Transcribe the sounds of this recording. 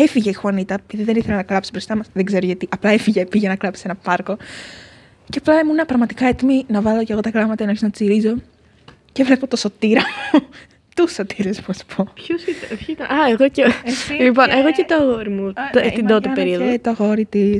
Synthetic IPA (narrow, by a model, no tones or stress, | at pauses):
efiʝeixuonit̪ɐepiðiðe̞niθe̞lenɐklɐpsi̥bɾo̞st̪ɐmɐsðeɡze̞ɾoʝɐt̪iʔɐplɐefiʝepiʝɐnɐklɐpsi̥senɐpɐɾko̞ | ceɐplɐemunɐpɾɐɣmɐt̪i̥kɐe̞t̪iminɐvɐloceɣo̞t̪ɐkɾɐmɐt̪ɐinoçeznɐt͡siɾizo̞ | cevle̞po̞t̪o̞so̞t̪iɾɐmu | t̪usot̪ʰiɾesmuɐsu̥pʰo̞pçosit̪ɐpçit̪ɐnɐeɣoceeslipo̞nʔeɣocet̪oɐɣoɾimut̪t̪ind̪ot̪epeɾioðet̪oɐɣo̞ɾit̪is